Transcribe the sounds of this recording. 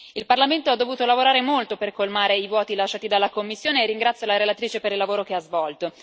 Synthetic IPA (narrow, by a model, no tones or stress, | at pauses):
ilparlament̪oad̪ːovuːt̪olavoɾaːɾemolt̪operkolmaːɾeivwɔːt̪ilat͡ʃːaːt̪id̪alːakomːisːjoːneːrːiŋɡɾat̪sjolaɾelat̪ɾiːt͡ʃepeɾilːavoːɾokeazvɔlt̪o